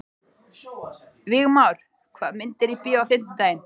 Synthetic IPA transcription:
vɪɣmaːwɾ̥ | kʰvaːðmɪnt̪ɪɾipiːawfɪm̥t̪ɪt̪aːjɪn

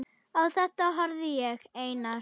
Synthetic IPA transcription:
awθɛt̪aɦɔɾðiɛɣejna

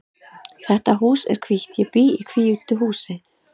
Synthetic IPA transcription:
θɛht̪aɦuːsɛ̰ɾ̥kʰviht̪jɪpiːikʰviːyːt̪ʏɦuːsɪ

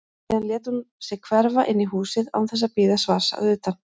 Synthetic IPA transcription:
ðanljɛːt̪unsɛɣkʰvɛɾvaʔɪnːiɦuːsɪða̰wθɛs̬ːapiːðasvaːɾ̥sa̰ðʏːt̪an

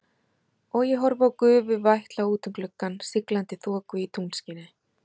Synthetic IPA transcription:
ɔɣjɛɦɔɾvawkʏːvʏvajht̪lauːt̪ʏmklʏkːansɪklant̪ɪθɔːkʏit̪ʰunscɪːnɪ

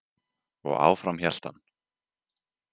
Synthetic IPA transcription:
ɔ̰ɣa̰ːwfɾamçjɛl̥t̪a̰n

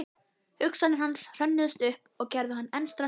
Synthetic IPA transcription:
hʏksanɪnhansr̥œnːʏðʏst̪ʏhpɔɣcɛɾðʏɦanːɛnst̪ɾa

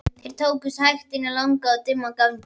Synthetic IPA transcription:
t̪ʰɪɾ̥t̪ʰoːwkʏshajxt̪ɪnalawŋkaat̪ʏmːakaŋ

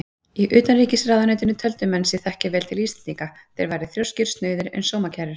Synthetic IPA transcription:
iʔʏːt̪anriːcɪsraːðanœːt̪ɪnʏt̪ʰœlt̪ʏmɛnsɪθɛhcɪvɛːlt̪ʰɪlist̪ant̪iŋkaθɛ̰ɾvaːjɾɪθɾjowscʏɾ̥st̪nœːɥðɪɾʏ̰nsoːwmacʰɛrɪɾ̥

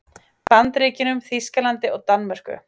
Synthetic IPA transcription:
pant̪ɾiːcɪnʏmθiskalant̪ɪɔɣt̪anmar̥kʏ̰

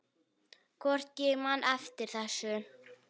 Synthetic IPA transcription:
kʰvɔr̥t̪cɛɣmanʔɛft̪ɪɾ̥θɛsːʏ

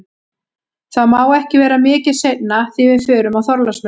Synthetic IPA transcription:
θaðmaːwɛhcɪvɛːɾamɪːcɪ̥sejt̪naθɪvɪðfœːɾʏmawθɔɾlasmɛ

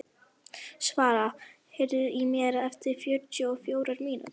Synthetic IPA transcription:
svaːɾa | hɛɾðʏimɛːɾaɛft̪ɪɾ̥fjœɾt̪ʏɔfjoːwɾaɾmiːnʔa̰

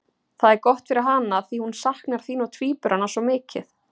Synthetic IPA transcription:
θaðɛɾkɔht̪fɪɾɪɾɦanːaːðθihunsahknaɾ̥θiːnɔwt̪ʰviːpʏɾhanːasɔmɪːcɪ̰θ

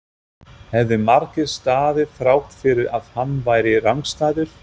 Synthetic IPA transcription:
hɛvðʏmaɾcɪst̪aːðɪfɾawht̪fɪɾɪɾaðhanːvaːjɾɪraŋkst̪aːðʏɾ̥

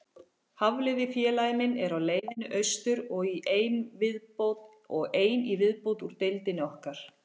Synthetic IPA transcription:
havlɪðɪfjɛːlajmɪnɛɾawleːjðɪnʏʔœɥst̪ʏɾɔɣiʔejnvɪðpot̪ | ɔɣeːjnivɪðpowt̪uɾ̥t̪ejlt̪ɪnɪɔhkaɾ̥

